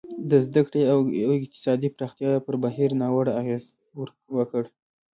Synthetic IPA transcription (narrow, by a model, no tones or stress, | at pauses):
d̪əzd̪akɽeawɪq̚t̪ɪ̥sɑd̪ipɾɑxt̪jɑpəɾbaɦiɾnɑwəɽaaɣez | wəkəɽ